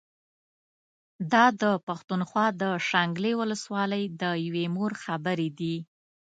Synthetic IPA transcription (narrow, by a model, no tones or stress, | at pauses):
d̪ɑd̪əpaxt̪unxwɑd̪əʃaŋɡlewʊləswɑləjd̪əjawemoɾxabəɾed̪i